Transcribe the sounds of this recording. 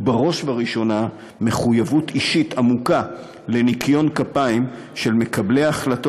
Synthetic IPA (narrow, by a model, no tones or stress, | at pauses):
baʁo̞ʃvaʁiʃo̞na | me̞χujavutiʃitamuka | le̞nikʰjo̞nkapaim | ʃe̞lme̞kable̞jaχlato